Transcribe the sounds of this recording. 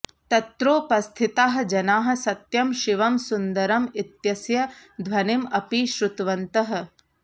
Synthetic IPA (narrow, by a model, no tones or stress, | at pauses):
t̪ɐt̪ɾoːpɐst̪ʰit̪aːɦɐ̆d͡ʒɐnaːɦɐ̆sɐt̪jɐmʃiʋɐmsund̪ɐɾɐmit̪jɐsjɐd̪ʱʋɐnimɐpiʃɾut̪ʋɐnt̪ɐɦɐ̆